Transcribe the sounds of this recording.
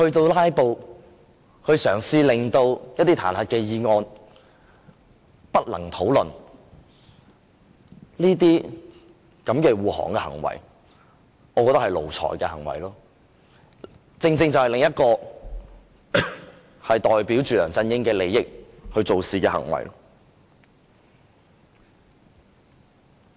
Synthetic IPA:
hɵ˧ɥt̪o˧wlaː˥jpo˧w | hɵ˧ɥsœː˨˩ŋsiː˧lɪ˨ŋt̪o˧wjɐ˥t̪ːiː˥t̪ʰa̰ː˨˩nhɐ˨t̚kɛː˧jiː˧ŋɔː˧n | pɐ˥t̚lɐ̰˨˩ŋt̪ʰo˨˥wlɵ˨˩n | liː˥t̪̬iː˥ | kɐ˨˥mkɛː˧wuː˨˩ɦɔ̰ː˨˩ŋkɛː˧hɐ̰˨˩ŋwɐ̰˨˩j | ŋɔː˨˧kɔː˧t̪ɐ˥hɐ˨˩lo̰˨wt͡sʰɔ̰ː˨˩jkɛː˧hɐ̰˨˩ŋwɐ̰˨˩jlɔː˥ | t͡sɪ˧ŋt͡sɪ˧ŋt͡sɐ˨whɐ˨jlɪ˨ŋjɐ˥t̚kɔː˧ | hɐ˨jt̪ɔː˨jpiː˨˥wt͡ʃyː˨lœː˨˩ŋt͡sɐ˧njɪ˥ŋkɛː˧le˨˧jːɪ˥k̚hɵ˧ɥt͡so˨wsiː˨kɛː˧hɐ̰˨˩ŋwɐ̰˨˩jlɔ˥

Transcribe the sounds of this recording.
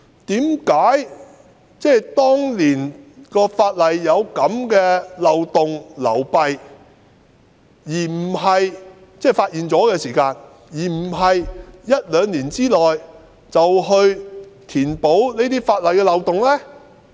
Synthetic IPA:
t̪iː˨˥mkaː˨˥j | t͡sɛː˥˩jt̪ɔː˥ŋliː˨˩nkɔː˧faː˧t̚lɐ˨jːɐ˨˧wkɐ˨˥mkɛː˧lɐ˨wt̪ʊ˨ŋlɐ̰˨˩wpɐ˨˧j | jiː˨˩m̩˨˩ɦɐ˨j | t͡sɛː˥˩faː˧t̚ʔiː˨nt͡sɔː˨˥kɛː˧siː˨˩kaː˧n | jiː˨˩m̩˨˩ɦɐ˨jjɐ˥t̚lœː˨˧ŋliː˨˩nt͡siː˥lɔː˨˩j | t͡sɐ˨wɦɵ˧ɥt̪ʰiː˨˩npo˨˥wne˥t̪iː˥faː˧t̚lɐ˨jkɛː˧lɐ˨wt̪ʊ˨ŋlɛː˥

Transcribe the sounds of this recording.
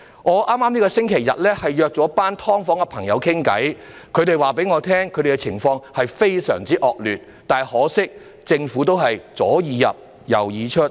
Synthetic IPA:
ŋɔː˨˧ʔaː˥mːaː˥mniː˥kɔ˧sɪ˥ŋkʰe˨˩jːɐ̰˨t̚lɛː˥hɐ˨jjœː˨˧k̚t͡sɔː˨˥paː˥nt̪ʰɔː˥ŋfɔː˨˥ŋɛ˧pʰɐ˨˩ŋjɐ˨˧wkʰɪ˥ŋkɐ̰˨˥j | kʰɵ˨˧ɾe˨jwaː˨pe˨˥jŋɔː˨˧t̪ʰɛː˥ŋkʰɵ˨˧ɥd̪e˨˩kɛ˧t͡sʰɪ̰˨˩ŋfɔː˧ŋhɐ˨jfe˥jsœ̰ː˨˩ŋt͡siː˥ʔɔː˨k̚lyː˨˩t̚ | t̪aː˨jhɔː˨˥sɪ˥k̚ | t͡sɪ˧ŋfuː˨˥t̪o˥wɦɐ˨jt͡sɔː˨˥jiː˨˧jɐ̰˨p̚ | jɐ̰˨˩wjiː˨˧t͡ʃʰɵ˥t̚

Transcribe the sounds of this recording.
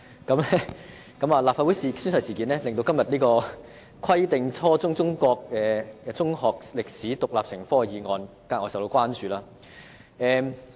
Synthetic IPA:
kɐ˨˦mlɛ˥ | kɐ˨˥maː˨˩laː˨p̚faː˨˧wu˨˥jsi˨sy˥nsɐ˨˧jsiː˨˩kiː˨˥nɛː˥lɪ˨ŋt̪o˧wkɐ˥mjɐ˨t̚niː˥kɔː˧ | kʷʰwɐ˥jt̪ɪ˨ŋt͡sʰɔː˥t͡sʊ˥ŋt͡sʊ˥ŋkɔː˧k̚ɛː˨t͡sʊ˥ŋhɔː˨k̚lɪ˨k̚siː˨˥t̪ʊ˨k̚laː˨p̚sɪ˨˩ŋfɔː˥˨˩jiː˨˧ŋɔː˨˧n | kaː˧kŋɔː˨˥sɐ˨wt̪o˧wkwaː˥nt͡ʃyː˨˧laː˥ | ɛː˨˧m

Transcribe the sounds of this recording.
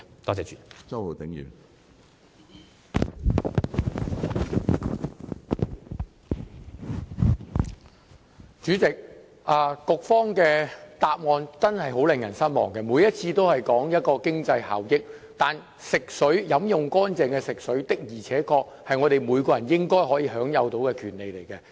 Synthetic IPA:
t̪ɔː˥˩t͡sɛː˨˧t͡ʃyː˨t͡sɐ˥wo˨˩t̪ɪ˨˥ŋjy̰ː˨˩ | t͡ʃyː˨˥t͡sɪ˨k̚ | ʔaː˨˧kʊ˨˧k̚fɔː˥ŋkɛː˧t̪aː˧p̚ŋɔː˧nt͡sɐ˥nhɐ˨jɦo˨˥wlɪ˨ŋjɐ˨˩nsɐ˥nmɔ̰ː˨ŋkɛ˧muː˨˧jɐ˥t̚t͡sʰiː˧t̪o˥whɐ˨jkɔː˨˥ŋjɐ˥t̚kɔː˧kɪ˥ŋt͡sɐ˧jha̰ː˨wjɪ˥k̚t̪aː˨n | sɪ˨k̚sɵ˨˥ɥjɐ˨˥mjʊ˨ŋkɔː˥nt͡sɛː˨˧ŋkɛː˧sɪ˨k̚sɵ˨˥ɥt̪ɪ˥k̚jiː˨˩t͡sʰɛː˨˥kɔː˧k̚hɐ˨jŋɔː˨˧t̪e˨˩jmuː˨˧jkɔː˧jɐ˨˩njɪ˥ŋkɔː˥jɦɔː˨˥jiː˨˧ɦœː˨˥ŋjɐ˨˧wt̪o˨˧˥wkɛː˧kʰyː˨˩nle˨jle˨˩jkɛ˧

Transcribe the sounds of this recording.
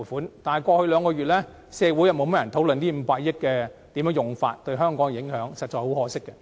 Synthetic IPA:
fuː˨˥nt̪aː˨nhɐ˨˩jkʷɔː˧hɵ˧ɥlœː˨˧ŋkɔː˧ɥyː˨t̚lɛː˥ | sɛː˧wuː˨˥jɐ˨˧mo˨˧wm̚˥jɐ˨˩nt̪ʰo˨˥wlɵ˨nt̪iː˥m̩˨˧paː˧k̚jɪ˥t̚kɛː˧t̪iː˨˥mjːŋjʊ˨˩ŋfa̰ː˧t̚t̪ɵ˧ɥɦœː˥ŋkɔː˨˥ŋ˨jɪ˨˥ŋhœː˨˥ŋsɐ˨t̚t͡ʃɔː˨˧jho˨˥whɔː˨˧sɪ˥kːɛ˧

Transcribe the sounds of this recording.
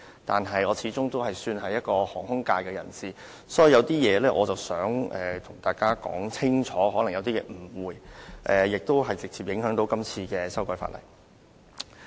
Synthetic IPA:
t̪a̰ː˨nɦɐ˨jɔː˨˧t͡sʰiː˨˥t͡sʊ˥ŋt̪o˥whɐ˨jsyː˧nɦɐ˨jɐ˥t̚kɔː˧hɔː˨˩ŋhʊ˥ŋkaː˧jkɛː˧jɐ̰˨˩nsiː˨ | sɔː˨˥ji˨˩jɐ˨˧wt̪iː˥jɛː˨˧lɛː˥ʔɔː˨˧t͡sɐ˨wsœː˨˥ŋʔɛː˨t̪ʰʊ˨˩ŋt̪aː˨jkaː˥kɔ̰ː˨˥ŋt͡sʰɪ˥ŋt͡ʃʰɔː˨˥ɦɔː˨˥lɐ˨˩ŋjɐ˨˧wt̪iː˥jɛː˨˧m̩˨˩wuː˨˩jʔɛː˨jɪ˨k̚t̪o˥wɦɐ˨jt͡sɪ˨k̚t͡siː˨p̚jɪ˨˧˥ŋɦœː˨˥ŋt̪o˨˥wkɐ˥mt͡sʰiː˧kɛː˧sɐ˥wkɔː˧˥jfa̰˧t̚lɐ̰˨˩j

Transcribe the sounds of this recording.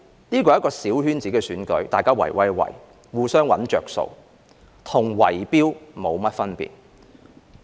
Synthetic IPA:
niː˥kɔ˧˨˥kɔː˧siː˨˥whyː˥nt͡siː˨˥kɛː˧syː˨˥nkɵ˨˥ɥt̪aː˨jkaː˥wɐ̰˨˩jwɐ˦jwɐ̰˨˩j | wuː˨˧sœː˥ŋwɐ̰˨˥nt͡ʃœ̰ː˨k̚so̰˨˧w | t̪ʰʊ˨˩ŋwɐ˨˩jpiː˥wmo˨˧wmɐ˥t̚fɐ˥npḭː˨t̚

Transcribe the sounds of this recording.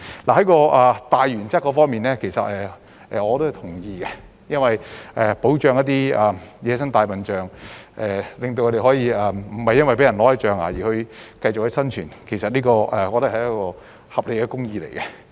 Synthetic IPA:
la˨˩hɐ˨˥jkɔː˧ʔaː˨˩t̪aː˨jɥyː˨˩nt͡sɐ˥kːɔː˨˥fɔː˥ŋmiː˨nlɛː˥kʰe˨˩jsɐ̰˨t̚ɛ˨ | ʔɛː˨ɔː˨˧t̪o˥whɐ˨jt̪ʰʊ˨˩ŋjiː˧kɛ˧ | jɐ˥nwɐ˨jʔɛ˨po˨˥wt͡ʃœː˨˧ŋjɐ˥t̪̬iː˥ɛ˨jɛː˨˧sɐ˥ŋt̪aː˨˧jpɐ˨nt͡ʃœː˨ŋʔɛː˨lɪ˨ŋt̪o˧wkɔ˨˧ɾe˨˩hɔː˨˥jiː˧ɛ˨m̩˨˩hɐ˨jːɐ˥nwɐ˨jpe˨˥jɐ˨˩nlɔː˨˥jɐ˨˧˥t͡ʃœː˨ŋa̰ː˨jiː˨˩hɵ˧ɥkɐ˧jt͡ʃʊ˨khɵ˧jsɐ˥nt͡ʃʰyː˨˩nkʰe˨˩jsɐ˨t̚nliː˥kɔː˧ɛː˨˩ɔː˨˧t̪ɐ˥k̚hɐ˨˩jɐ˥kɔː˧ | hɐ˨p̚le˨jkɛː˧kʊ˥ŋjiː˧le˨˩jkɛ˧

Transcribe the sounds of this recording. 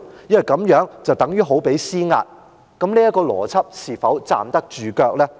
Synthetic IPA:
jɐ˥nwjkɐ˨˧˥mjœː˨˥ŋt͡sɐ˨wt̪ɐ˨˥ŋjyː˥ɦo˨˥wpe˨˥jsiː˥ŋa̰ː˧t̚ | kɐ˨˥mni˥jɐ˥t̚kɔː˧lɔ̰ː˨˩t͡sʰɐ˥p̚siː˨˩fɐ˨˥wt͡sa̰ː˨mt̪ɐ˥k̚t͡ʃyː˨kœː˧k̚lɛː˥

